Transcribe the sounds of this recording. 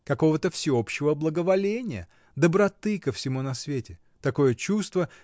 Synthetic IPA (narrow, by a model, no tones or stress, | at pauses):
kɐko̞vət̪əfsʲɪo̞pɕːɪvəblˠəɡəvɐlʲenʲɪjə̰ | d̪əbɾɐt̪ɨkəfsʲɪmunɐsvʲetʲɪ | t̪ɐko̞jət͡ɕust̪və